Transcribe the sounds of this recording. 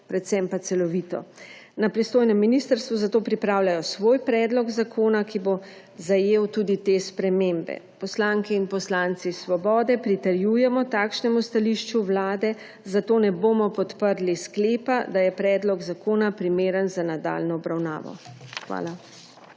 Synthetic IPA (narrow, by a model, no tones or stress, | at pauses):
pɾɛt̪sɛmpat̪sɛlɔʋiːt̪ɔ̰ | napɾist̪oːjnɛmːiniːst̪əɾst̪ʋuzat̪oːpɾipɾaːwlajɔsʋoːjpɾɛːd̪lɔɡzakʰoːnakibo | zajeːwt̪uːd̪it̪espɾɛmeːmbɛ̰pɔslaːŋkɛinpɔslaːnt̪sisʋɔbɔːd̪ɛpɾit̪ɛɾjujɛmɔt̪aːkʃnɛmust̪aliʃt͡ʃuwlaːd̪ɛ | zat̪oːnɛboːmɔpɔt̪pəɾliskleːpad̪ajɛpɾɛːd̪lɔɡzakoːnapɾimeːɾənzanad̪a̰lnɔːbɾawna̰ːʋɔ̰xʋa̰ːla